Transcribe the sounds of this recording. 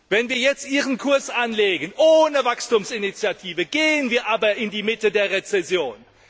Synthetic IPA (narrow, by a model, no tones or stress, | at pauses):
vɛnviːɐjɛt͡stʔiːʁənkʰʊɐsʔanleːɡənʔoːnəvakstuːmsɪnit͡sjatʰiːvəɡ̥eːənviːɐʔaːbɐɪndiːmɪtədeːɐʁet͡sɛsjoːn